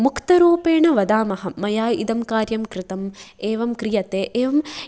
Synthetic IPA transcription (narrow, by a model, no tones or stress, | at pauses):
mukʰt̪ɐɾuːpeːɳɐʋɐd̪aːmɐɦɐmːɐjaːjḭd̪ɐmkaːɾjɐmkɾɪt̪ɐmeːʋɐmkɾijɐt̪eːʔeːʋɐm